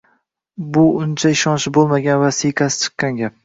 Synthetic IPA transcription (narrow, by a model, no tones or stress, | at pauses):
bʊʊnt͡ʃʰaɪʃɒnʃɪbolˠmaɡʲanvasijqʰɑsɪ̥t͡ʃʰɨ̥qːɑnɡʲap̚